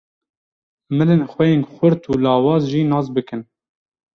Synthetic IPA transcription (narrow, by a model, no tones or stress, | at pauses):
mɨlenxʷwɛjenxʷʊɾt̪ʰuːlɑːwɑːzʒiːnɑːs̬bɨkɨn